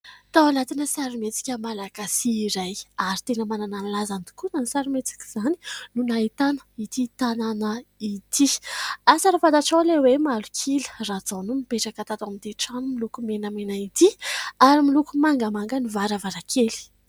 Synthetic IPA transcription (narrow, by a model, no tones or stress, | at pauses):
t̪awalat̪inəsaɾimet͡si̥kʲəmalaɡ̥asiːɾajaɾit̪enəmanananlazand̪i̥kunanisaɾimet͡si̥kʲi̥z̥ani̥nunaɦit̪anə̥it̪it̪ananəit̪iasaɾafad̪aʈ͡ʂawlewemalukʰilə̥rad͡zanumipeʈ͡ʂakat̪at̪amind̪eʈ͡ʂanumilukumenəmenait̪iaɾimilukumaŋɡəmaŋɡənivaɾavaɾakʰeli̥